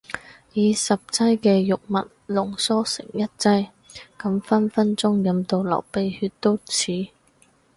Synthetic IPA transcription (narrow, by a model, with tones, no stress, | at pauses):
jiː˨˧sɐ˨p̚t͡sɐ˥jkɛː˧jʊ˨k̚mɐ̰˨t̚lʊ˨˩ŋsɔː˥sɪ̰˨˩ŋjɐ˥t̚t͡sɐ˥j | kɐ˨˥mfɐ˥nfɐ˥nt͡sʊ˥ŋjɐ˨˥mt̪o˧wlɐ̰˨˩wpe˨˧jhyː˧t̚t̪o˥wt͡sʰiː˨˧